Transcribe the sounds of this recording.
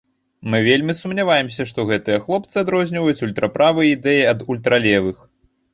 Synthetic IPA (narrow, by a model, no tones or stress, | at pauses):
mɨvʲelʲmʲisumnʲavajɛmsʲɐʂt̪ɔɣɛt̪ɨjɐxlˠɔp̚t̪sɨad̪ɾɔzʲnʲivɐjut͡sʲulʲt̪ɾʔɐpɾʔavɨjɛid̪ɛjiɐd̪ulʲt̪ɾalʲɛvɨx